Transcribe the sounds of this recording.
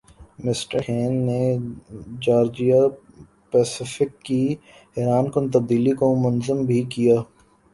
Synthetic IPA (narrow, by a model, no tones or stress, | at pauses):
mɪsʈəɾɦɛ̃ːnːe | d͡ʒaːɾd͡ʒija | pɛːsɪfɪkːi | ɦɛɾaːnkʊnt̪ɐb̚d̪iːlikomʊnzəmbʱikijaː